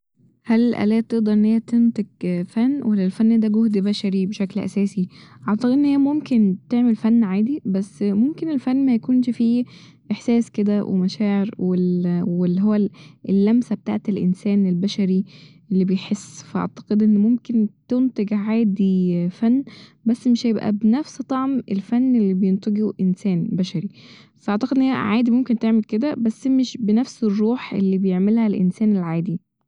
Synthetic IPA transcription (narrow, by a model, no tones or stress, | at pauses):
hælelʔæ̰læːt̪ːeʔd̪ɑɾˤʔenːhejæt̪ent̪eɡfænːwælːælfænːd̪æɡohd̪bæʃæɾibeʃæklʔæ̰sæːsiʔɑʕt̪ɑqed̪ʔenːhejːæmomkent̪eʕmelfænːʕaːd̪ibæsːmomkenelfænːmæjækuːnʃfiː | ʔeħsæːsked̪æwʔḛmæʃæːʕeɾwewelːihowːæelːæmsæbet̪aʕt̪elʔḛnsæːnelbæʃæɾiʔlːibejħesːfæʔɑ̰ʕt̪ɑ̥qed̪ʔenːmomkent̪ont̪eɡʕaːd̪ifænːbæsːmeʃhæjebʔæ̰benæfst̪ˤɑʕmḛlfænːelːibejent̪ɑɡuʔensæːnbæʃæɾi | fæʔɑʕt̪ɑqed̪ʔnːheæʕaːd̪imomkent̪eʕmelked̪æbæsːmeʃbenæfserˤːuːħʔḛlːibejeʕmelhælʔḛnsæːnelʕaːd̪i